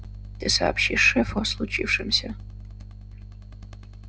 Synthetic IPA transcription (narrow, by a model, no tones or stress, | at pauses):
d̥ɨsa̰ːpʃiːʂɛfoslˠut͡ʃʰiːfʂɨmsʲɐ